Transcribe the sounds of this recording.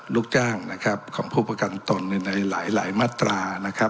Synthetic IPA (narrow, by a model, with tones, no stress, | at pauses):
luː˥˩k̚t͡ɕaː˥˩ŋna˦˥kʰa˦˥p̚kʰɔː˩˦ŋpʰuː˥˩pɾa˧ka˧nt̪o˧nːɯ˧˩na˧jla̰ː˩˦jla̰ː˩˦jmaː˥˩t̪ɾaː˧na˦˥kʰa˦˥